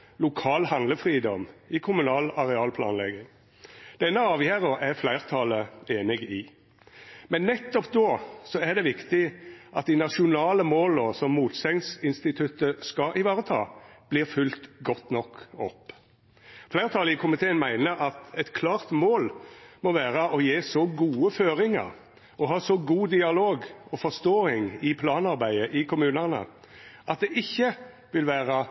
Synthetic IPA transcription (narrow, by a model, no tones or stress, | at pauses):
lʊkʰɑːlhɑnləfʁiːd̪ɔmɪkʰʊmʉnɑːlɑʁɛɑːlpʰlɑ̰ːnlɛ̰ɡɪŋ | d̪̥ɛnːəɑːʋjæːʁəʁæʁflæɪʁt̪ʰɑləeːnɪɡɪ | mɛnːɛt̪ːɔpd̪oːsɔæʁd̪ɛʋɪkt̪ɪʔɑt̪̚d̪ɪnɑʃʊnɑːləmoːlɔsɔmːuːt̪sɛŋsɪnst̪ɪt̪ʰʉt̪əskɑʔɪʋɑːʁət̪ʰɑːb̥liːʁfʉlt̪ɡɔt̪nɔkːɔpː | flæːət̪ʰɑlɪkʰʊmɪt̪ʰeːənmæɪnəɾɑt̪ɛt̪kʰlɑːʁt̪moːlmɔʋæːʁəɔjeːsɔɡuːəføːʁɪŋə̰ɾ | ɔɦɑːsɔɡuːd̪ɪɑloːɡɔfɔst̪oːɪŋɪpʰlɑːnɑɾbæɪəʔɪkʰʊmʉːnənə̰ | ʔɑt̪̚d̪ɛʔɪçːə | ʋɪlʋæːʁə